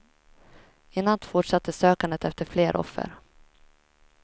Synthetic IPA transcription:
ɪnːant̪fʊʈʂat̪ʰːəsøːkand̪ət̪ɛft̪əɾfleːɾʔɔ̰fːə̰ɾ

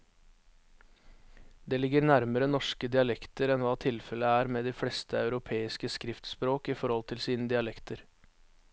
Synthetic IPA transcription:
d̪eːlɪɡəɾnæɾməɾənɔʂkəd̪ɪɑlɛkt̪əɾɛnʋɑːt̪ʰɪlfɛləæːɾmeːd̪iːfɽɛst̪əɑʉɾʊpʰeːɪskəskɾɪft̪spɾoːkiːfɔɾhɔlt̪ʰɪlsiːnəd̪ɪɑlɛkt̪əɾ

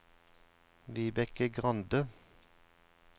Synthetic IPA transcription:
ʋiːbɛkəɡʁɑnd̪ə

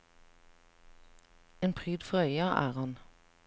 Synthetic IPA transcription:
eːnpʰʁyːd̪fɔœʏɑʔæ̰ːʁhɑn

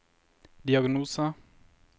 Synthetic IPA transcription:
d̪ɪaɡnuːsa

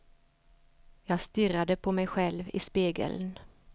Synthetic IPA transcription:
jɑːɡst̪ʏɾad̪əpʰɔmɛjɧɛlvɪspeːɡə̰ln

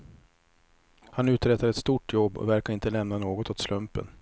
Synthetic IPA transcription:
hanʉ̟ːt̪ɾɛt̪ːaɾɛt̪st̪uːʈʰjɔbːɔ̰væɾkaɾɪnt̪əlɛmnanoːɡɔt̪ɔt̪slɵmpə̰n

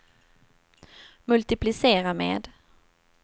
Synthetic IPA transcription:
mɵlt̪ɪplɪseːɾamḛːd̪

